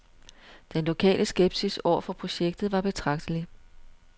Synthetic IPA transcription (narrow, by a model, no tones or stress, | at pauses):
d̥enlo̝kʰɛ̰ːlʔəsɡ̥eb̥sisɒ̰ɐfɒ̽pʰʁo̝ɕeɡ̥̚d̥ð̞̩ˠʋɑ̈b̥e̝t͡sʰʁɑ̈ɡ̥d̥əli